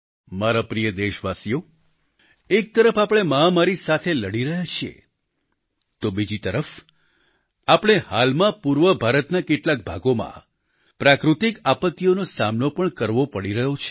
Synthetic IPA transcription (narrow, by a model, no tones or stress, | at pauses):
maɾapɾijəd̪eʃʋasijo | ek̚t̪əɾəfapɽ̃emãmaɾisat̪ʰeləɽiɾəɦat͡ʃʰiḛ | t̪obid͡ʒit̪əɾəf | apɽ̃ehalmãpuɾʋəbʱaɾət̪nakeʈlak̚bʱaɡomã̰ | pɾakɾut̪ikapət̪ːijonosamnopəɳkəɾʋopəɽiɾəɦot͡ʃʰe̥